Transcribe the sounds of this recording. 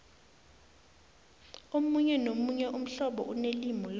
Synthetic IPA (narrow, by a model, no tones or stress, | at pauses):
omuɲɛnomuɲɛʔum̩ɬɔɓɔ̰ʔunelimɔl